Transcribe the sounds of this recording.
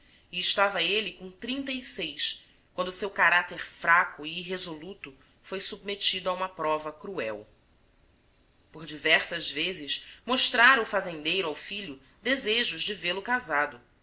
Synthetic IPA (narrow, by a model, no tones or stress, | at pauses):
iɪʃt̪avɐelikõt̪ɾĩnt̪ɐisejs | kw̃nd̪ʊsewkaɾat̪eɾfɾakuiiɦezolut̪ʊ | fojsub̚met͡ʃid̪ʊaũmɐpɾɔvɐkɾuɛw | poɾd͡ʒivɛɾsɐzvezɪʃmoʃt̪ɾaɾʊfazẽnd̪ejɾʊawfiʎʊ | d̪ezeʒʊʒd͡ʒɪvelʊkazad̪ʊ